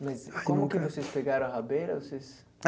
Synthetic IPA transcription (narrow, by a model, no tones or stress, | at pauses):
mɐzkõmʊkɪvosespeɡaɾɐ̃w̃habeɾɐvoses